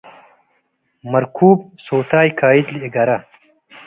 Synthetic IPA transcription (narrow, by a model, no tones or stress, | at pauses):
mɐɾkʰuːb̚soːt̪aːjkʰaːid̪lieɡɐɾɐ